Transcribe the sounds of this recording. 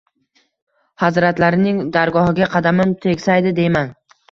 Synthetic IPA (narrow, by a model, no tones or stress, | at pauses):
hazɾat̪laɾɪnɪŋd̪aɾɡɒhɪɡʲaqʰɑd̪amɪmt̪ʰe̞kʲsajd̪ɪd̪e̞jman